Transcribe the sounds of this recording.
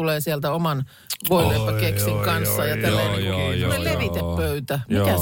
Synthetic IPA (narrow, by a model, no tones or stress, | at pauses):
uleːsiælt̪æomɑn | ʋoileːmpɑkeksiŋkɑnsːɑjɑt̪ælːæjnekyeleʋit̪epːøyt̪æmikæ